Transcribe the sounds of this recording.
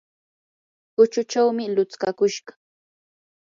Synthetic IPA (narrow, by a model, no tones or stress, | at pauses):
ɢʊt͡ʃʊt͡ʃawmɪlʊt͡skakʊʃɢɑ̥